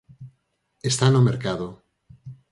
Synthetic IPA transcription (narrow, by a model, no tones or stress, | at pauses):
est̪anomeɾkaðo